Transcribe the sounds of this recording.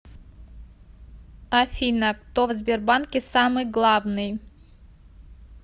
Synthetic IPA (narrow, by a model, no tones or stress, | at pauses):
afʲinak̚t̪ovzʲbʲerbankʲɪsamɨjɡlˠavnɨj